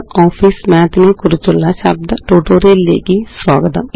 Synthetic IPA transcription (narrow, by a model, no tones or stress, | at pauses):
ɔːpʰiːsmɛ̃ːt̪neːkʊɾʊt͡ʃʊlːasəb̚d̪ʈoːʈoːɾeːlḛːɡiːswaːɡəd̪a̰